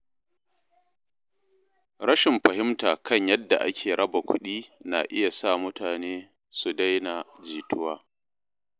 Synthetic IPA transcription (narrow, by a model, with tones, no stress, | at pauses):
ɾɐ˦ʃɪ˨mɸɐ˨hɪ˦mtaː˨kʰɐ˦˨ɲjɐ˦dːa̰˨ʔa̰˦kʲʰeː˨ɽɐ˦ba˨kʷʊ̰˦ɗiː˦na̰˨ʔɪ˦ja˨sa˦˨mʊ˦taː˨neː˦ | su˨da˦jna˨d͡ʒiː˨tʰʊ˦waː˦